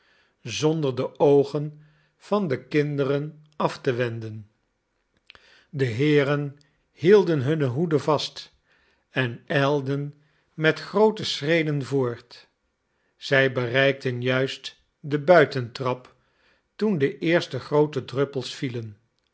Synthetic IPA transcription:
zɔndəɹdəʔowχən | v̥ɑndəkɪndərən | ɑftəʋɛndən | dəɦɪːrən | hilˠdənɦɵnəɦudəvɑst | ɛnɛlˠdən | mɛtχrowtəsrejdənvʊːɹt | z̥ɛjbərɛjk̚tənjœɥst | dəbœɥtəntrɑp | tundəʔɪːɹstəχrowtədrɵpəlˠsfilən

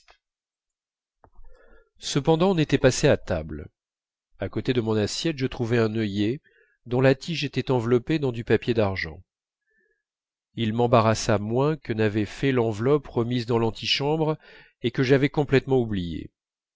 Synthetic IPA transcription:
səpɑ̃d̪ɑ̃ːnet̪ɛpaseat̪a̰bl | akot̪ed̪əmɔ̃nasjɛt̪ʒət̪χuvɛɛ̃nəje | d̪ɔ̃lat̪iʒet̪ɛt̪ɑ̃vlɔped̪ɑ̃d̪ypapjed̪aʁʒɑ̰̃ | ilmɑ̃baʁasamwɛ̃kənavɛfɛlɑ̃vlɔpʁəmizd̪ɑ̃lɑ̃t̪ʰiʃɑ̃bʁ | ekəʒavɛkɔ̃plɛt̪mɑ̃ublijḛ

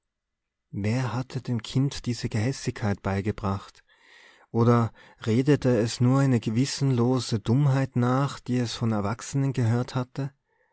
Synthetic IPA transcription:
veːɐhatʰədeːmkʰɪntd̥iːz̥əɡəɦɛsɪçkʰːaɪt̚b̥aɪɡəbʁaχt | ʔoːdɐʁeːdətʰəɛsnuːɐaɪnəɡəvɪsn̩loːzədʊmɦaɪtnaːχd̥iːɛsfɔnɛɐvaksənənɡəɦøːɐthatə

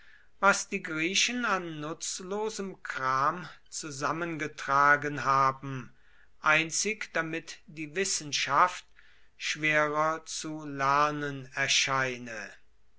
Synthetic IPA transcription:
vasd̥iːɡʁiːʃənanːʊt͡sloːzəmkʁ̥aːmt͡suzamənɡətʁ̥aːɡənɦaːbm̩ | ʔaɪnt͡sɪkd̥amɪtd̥iːvɪsn̩ʃaft̚ | ʃv̥eːʁɐt͡sulɛɐnənɛɐʃaɪnə

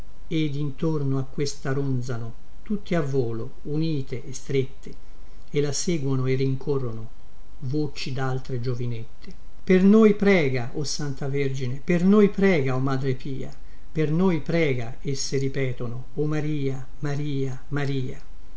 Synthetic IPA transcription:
ed̪int̪ornoakːwest̪aɾond̪zano | t̪ut̪ːiavːoːlo | uniːt̪eʔːst̪ɾet̪ʰːe | elːaseːɡwonoerːiŋkʰorːono | voːt͡ʃid̪alt̪ɾed͡ʒovinet̪ːe̥ | pernojpɾɛːɡaʔosant̪averd͡ʒinepernojpɾɛːɡaomaːd̪ɾepiːa̰ | pernojpɾɛːɡa | esːeɾipɛːt̪ono | omaɾiːa | maɾiːa | maɾiːa̰

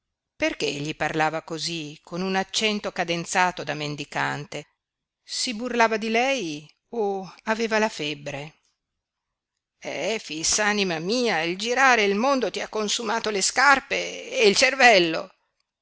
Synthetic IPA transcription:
perkeʎːiparlaːvakozikʰonunat͡ʃːɛnt̪okad̪ent̪saːt̪od̪amend̪ika̰nt̪e | siburlaːvad̪ilɛj | oaveːvalafebːɾe | ɛfisːanimamiːaild͡ʒiɾaːɾeilmond̪ot̪iakːonsumaːt̪oleskarpeːilt͡ʃervɛlːo̰

